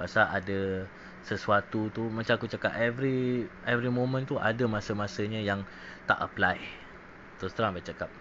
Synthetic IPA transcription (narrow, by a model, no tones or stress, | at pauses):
basaʔadə | səsuat̪ut̪umãt͡ʃaakut͡ʃakapɛvɾiɛvɾimõmə̃nt̪uʔa̰dəmãsəmãsəɲãjaŋ | t̪a̰ʔəplaj | t̪usət̪əɾaŋbat͡ʃakap̚